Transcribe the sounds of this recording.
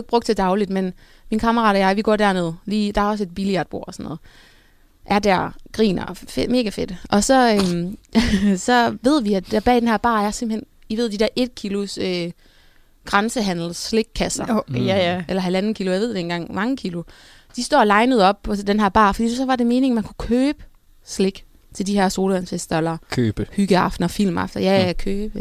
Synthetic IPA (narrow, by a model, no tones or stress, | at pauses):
b̥ʁɔ̽ɡ̥d̥̚t͡sʰed̥ɑ̈ʊlid̥men | minkʰɑ̈mɐʁɑ̰̈ːdɒjɑ̈ɪʋiɡ̥ɒ̰ːd̥æɐne̝ð̞ˠliːd̥ɑ̈æɐɒ̽s̬əe̝d̥̚b̥iliæɐd̥b̥o̝ɐ̰ɒ̽sɒ̽nːɔ̽ːð̩ˠ | ʔæɐd̥æɐɡ̥ʁḭːnɐfme̝ːɡ̥æfe̝d̥ʔɒ̽sɒ̽øm | sɒ̽ʋe̝ð̞̰ˠʋiæ̥æɐb̥ɛ̰ːd̥enɦæɐb̥ɑ̰̈ːæsem̥̩hen̰ | iʋe̝ð̰ˠd̥id̥æɐʔe̝d̥̚kʰilo̝søː | ɡ̥ʁɑnsəɦæn̰l̩sle̝ɡ̥̚kʰːæsɐ | ʔelɐɦælænn̩kʰilʊjɑʋe̝̰d̥enɡ̥ɑ̈ŋ̰mɑ̈ŋəkʰilo̝ | d̥isd̥ɒ̰ːlɑ̈ɪnəð̞̩ˠɒ̽b̥̚pʰɒ̽d̥enɦæɐb̥ɑ̰̈fɒd̥ḭːsɒ̽ʋɑ̈de̝me̝ːne̝ŋmænkʰu̥kʰøːb̥ə | sle̝ɡ̥ | t͡sʰe̝ld̥ihæɐ̰so̝ːlænsesd̥ɐelɐkʰøːb̥hyɡ̥əɑ̈fd̥nɐfil̰mɑ̈fd̥ɐjækʰøːb̥ə